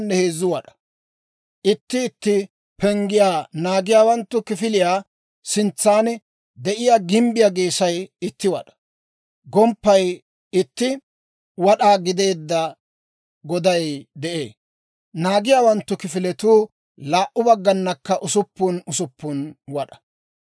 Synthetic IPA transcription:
nːɛheːzːʊwɐɗɐ̥ | ʔɪt̪ːɪːt̪ːɪ | pʰɛŋɡɪjaːnaːɡɪjaːwɐnt̪ːʊkɪfɪlɪjaː | sɪnt͡sːaːnɛ | d̪ɛʔɪjaːɡɪmbɪjaɡeːsɐjɪt̪ːɪwɐ̰ɗɐ̥ | ɡɔmpːɐj | ɪt̪ːɪ | wɐɗaːɡɪd̪e̞ːd̪ːɐ | ɡɔd̪ɐjd̪ɛʔḛː | naːɡɪjaːwɐnt̪ːʊkɪfɪlɛt̪uː | laːʔʊbɐɡːɐnːɐkːɐʔʊsʊpːʊnʊsʊpːʊnwɐɗɐ̥

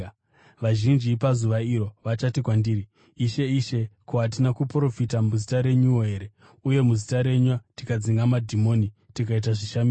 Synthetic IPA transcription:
ʋaʒind͡ʒipazuʋaiɾo̞ʋat͡ʃatikwandiːriː | ʃe̞iʃe̞kuɦat̬inakupro̞fitamuzitaɾe̞ɲuoe̞ɾe | uje̞muzitaɾe̞ɲwatikad͡ziŋɡamadʱimo̞nitikait̬aʐiʃamis

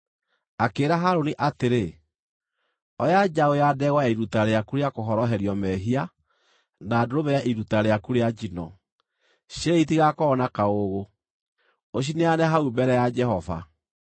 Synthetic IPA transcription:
akeːɾaɦaɾoniʔateɾe | ɔjad͡ʒaojadɛɣwaaiɾutaɾeakuɾeakoɦɔɾɔɦɛɾjɔmɛɦia | naːdoɾoβɛaʔiɾutaɾeakuɾead͡ʒinɔ̰ | ɕeeit̬iɣakɔːnakaoɣo | oʃ̬ineanɛɦaubɛɾɛjad͡ʒɛhɔva̰

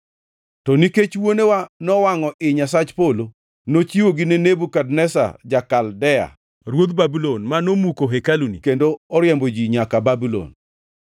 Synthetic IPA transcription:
tɔniket͡ʃwonewanɔwaŋɔʔɪɲasat͡ʃpolo | not͡ʃiwoɡinenebukadnɛsa̰d͡ʒakaldɛa̰ | ɾwod̪̚babilonmanomukoɦekalunikendoɔɾjɛmbod͡ʒiɲakababilɔ̰n

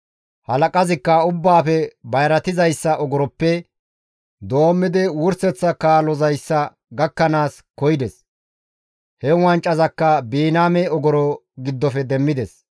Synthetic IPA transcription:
hɐlɐkʼɐzɪkːɐʊbːaːfɛbɐjɾɐt̪ɪzɐjsːɐʔɔɡɔɾɔpːɛ | d̪o̞ːmːɪd̪ɪwʊɾsɛt͡sːɐkaːlɔzɐjsːɐ | ɡɐkːɐnaːs | kɔjd̪ɛs | hɛwɐnt͡ʃʼːɐzɐkːɐbiːnaːmɛɔɡɔɾɔ | ɡɪd̪ːɔfɛd̪ɛmːɪd̪ɛs

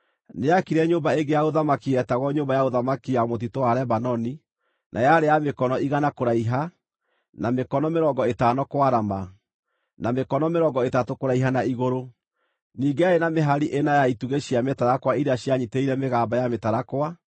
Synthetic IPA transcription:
neakiɾɛɲoːmbaeɡejaoðamakiɛtaɣɔɲoːmbajaoðamakiamot̬itoaɾɛβanɔni | nʔajaɾejamekɔnɔiɣanakoɾaiɦa | namekɔnɔmeɾɔːŋɡɔetanɔkwaɾama | namekɔnɔmeɾɔːŋɡɔetatokoɾaiɦanaiɣoɾo | niːŋɡeaenameɦaɾiʔenajaituɣeɕiametaɾakwaiɾaɕjaɲiteiɾɛmeɣaːmbajametaɾakwa

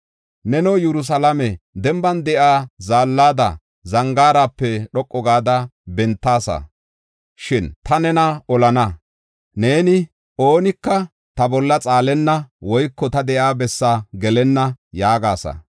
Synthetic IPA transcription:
nɛnɔwjɛɾʊs̬ɐlɐmɛd̪ɛmbɐnd̪ɛʔaːzaːlːaːd̪ɐ̰ | zɐŋɡaːɾaːpːɛɗɔkʼːɔɡaːd̪ɐbɛnt̪ːaːsɐ̰ | ʃɪnt̪ɐnɛnɐɔlɐnɐ | ne̞ːnɪ | ʔoːnɪkːɐ | t̪ɐbɔlːɐt͡sʼaːlɛnːɐwɔjkːɔt̪ɐd̪ɛʔaːbɛsːaɡɛlɛnːɐjaːɡaːsɐ̰

